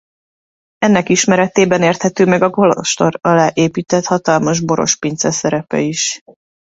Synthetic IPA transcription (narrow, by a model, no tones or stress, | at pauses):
ɛnːɛkiʃmɛɾɛt̪eːbɛneːrt̪hɛt̪øːmɛɡɒɡo̞lo̰fʃt̪orɒlaːʔeːpiːt̪ɛt̪hɒt̪ɒlmɒʒboɾo̞̰ʃpint̪sɛsɛɾɛpɛ̰iʃ